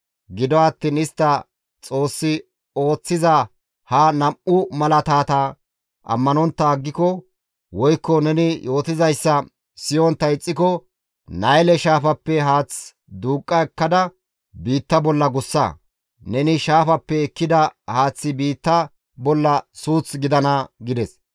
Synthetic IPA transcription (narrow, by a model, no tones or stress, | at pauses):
ɡɪd̪ɔɐt̪ːiːnɪst̪ːɐ | t͡sʼo̞ːsːɪ | o̞ːt͡sːɪzɐ | hɐnɐmʔʊmɐlɐt̪aːt̪aː | ɐ̰mːɐnɔnt̪ːɐːɡːɪkɔ | wɔjkːɔnɛnɪjʔo̞ːt̪ɪzɐjsːɐ | sɪjɔnt̪ːɐɪt͡sʼːɪkɔ | nɐjlɛʃaːfɐpːɛɦaːt͡s | d̪uːkʼːɐɛkːɐd̪ɐ | biːt̪ːɐbɔlːɐɡʊsːɐ̰ | nɛnɪʃaːfɐpːɛɛkːɪd̪ɐhaːt͡sːɪbiːt̪ːɐ | bɔlːɐsuːt͡sɡɪd̪ɐnɐɡɪd̪ɛs